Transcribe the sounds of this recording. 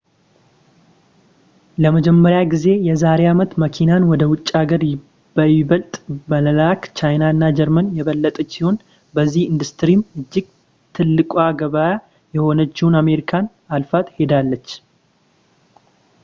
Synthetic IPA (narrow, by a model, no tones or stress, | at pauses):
ləməd͡ʒɛmːəɾjaɡize̞jɛzaɾeamət̪məkʰinanwɔd̪əwʊt͡ʃʼːaɡəɾ | bəβəlt̪ʼmələlakt͡ʃajnaɨnːad͡ʒɛɾmənjɛβəlːət̪ʼət͡ʃːsiho̞n | bəzːihɨnd̪ust̪ɾimɨd͡ʒːɪɡ̚ | t̪ʰɨlːɨkʼwaɡəβaja | jɛho̞nət͡ʃːɪhuname̞ɾikʰan | alfat̪he̞d̪alːət͡ʃː